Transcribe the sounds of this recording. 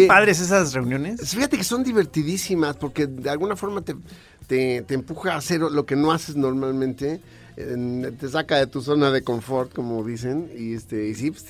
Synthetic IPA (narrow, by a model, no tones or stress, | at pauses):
paðɾes̬es̬azre̞unjo̞nesfixat̪e̞ke̞so̞nd̪iβ̞e̞ɾt̪iðisimaspo̞ɾke̞ðealɣunafo̞ɾmat̪e | t̪et̪eːmpuxaːse̞ɾlo̞ke̞no̞ase̞zno̞ɾmalmẽnt̪e̞ | t̪e̞s̬akaðe̞t̪us̬o̞naðe̞ko̞ɱfo̞ɾt̪ko̞mo̞ðis̬e̞niest̪eisi̥